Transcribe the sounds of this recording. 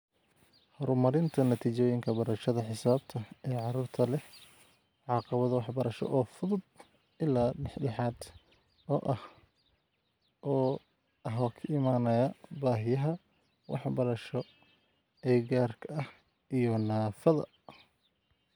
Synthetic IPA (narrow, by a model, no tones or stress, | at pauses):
hɔɾmɐɾɪnt̪ʰɐnɐt̪ʰiːt͡ʃɔːjɪŋkʰɐbɐɾɐʃɐðɐħɪsaːb̚t̪ʰɐɛːʕɑɾuːrt̪ʰɐlɛh | ʕɑqɑβɐðɐwɑħbɐɾɐʃɔ̰ʔɔːfʊðʊd̪̚ | ɪlːaːlɛħɖɛħaːd̪ | ɔːʔɐh | ʔɔː | ɐɦɔːkʰɐʔɪmaːnɐjɐbaːɦɪjɐɦɐ | wʔɑ̰ħbɐɾɐʃɔ | ɛːɡaːrkʰɐɐh | ijɔnaːfɐðɐ̰